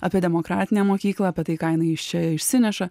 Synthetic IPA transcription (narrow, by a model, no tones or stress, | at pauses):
ɐpʲieɛd̪ʲɛmoːkɾɑ̰ːt̪ʲɪnʲeːmoːkʲiːklˠɐːpʲɛt̪ɐɪkɑːjɪnɐɪɪʃt͡ʃʲɛɪʃʲsʲɪnʲɛʃɐ